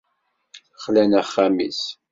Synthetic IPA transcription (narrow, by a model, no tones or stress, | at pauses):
əχlænæχːæmḭs